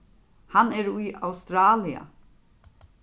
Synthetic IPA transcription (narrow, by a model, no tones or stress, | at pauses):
hanɛɾujawst̪ɾaːlia̰